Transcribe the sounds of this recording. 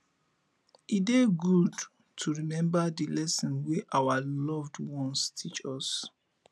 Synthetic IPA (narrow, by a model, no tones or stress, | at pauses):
ideɡud | tʰuɹimɛ̃mbadilɛsɔ̃nweʔawalɔvdwɔ̃nstʰit͡ʃɔs